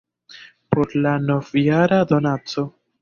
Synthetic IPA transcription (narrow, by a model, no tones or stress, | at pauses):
po̞ɾlano̞vjaɾad̪o̞nat͡so̞